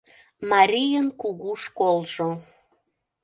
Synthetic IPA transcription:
mɑɾʲijənkuɣuʃkolʒo

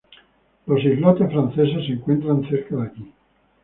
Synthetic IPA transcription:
losivlɔt̪efɾanseseseŋkwent̪ɾanseɾkad̪aʎi

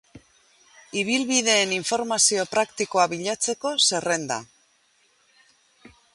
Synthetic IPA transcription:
iβ̞ilβið̞e̞ːniɱfo̞ɾmasio̞pɾakt̪iko̞aβiʎat͡se̞ko̞se̞re̞nd̪a̰

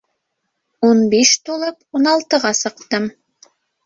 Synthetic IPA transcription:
unbiʃt̪ulˠɤpunɑlˠt̪ɤ̆ʁɑsɤ̆qt̪ɤm

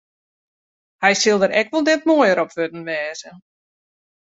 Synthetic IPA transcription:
hɛjsɪlˠdəɾɛkʋɔlˠdɛt̚moːjəɾɔpʋødn̩ʋɛːzə

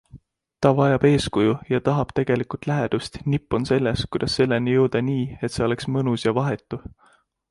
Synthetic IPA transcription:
t̪ɑvɑjɑb̥e̞ːskujujɑt̪ɑɦɑb̥t̪e̞ɡ̥e̞likult̪ˑlæɦed̪̥ust̪nipːˑo̞nse̞lːe̞skujd̪̥ɑsːe̞lːenijɤwd̪̥ɑniːe̞t̪se̞o̞le̞ksmɤnusjɑvɑɦe̞t̪ːˑu

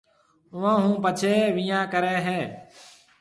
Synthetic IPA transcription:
ʊʋãːɦũːpət͡ʃʰeːʋɪjãːkəɾeːɦeː

